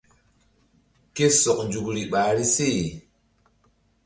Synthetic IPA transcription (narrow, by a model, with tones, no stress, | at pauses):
ke˦so˨k̚nd͡ʒu˨kɾi˨ɓaː˨˦ɾi˦se˦˨